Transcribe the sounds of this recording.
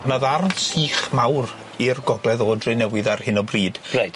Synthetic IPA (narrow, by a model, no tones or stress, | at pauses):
məðarnsiːχmawr | irɡɔɡlˠɛðoːdrɪnɛwɪðarhɪnɔbriːd̥rejd